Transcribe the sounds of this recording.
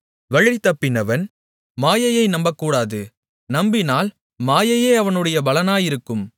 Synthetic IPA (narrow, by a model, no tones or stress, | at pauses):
ʋɐɻɪt̪ːɐpːɪnɐʋɐn | maːjɐjɐɪnɐmbɐkːuːɽaːðɯ | nɐmbɪnaːl | maːjɐjeːɐʋɐnɯɽɐjɐbɐlɐnaːjɪɾɯkːɯm